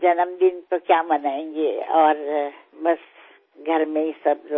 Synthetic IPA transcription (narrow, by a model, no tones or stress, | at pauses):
d͡ʒɐnəmd̪ɪnt̪okjaːmɐnaːẽːŋɡeɔːɾbɐs | ɡʱɐɾmẽɪsəbɾ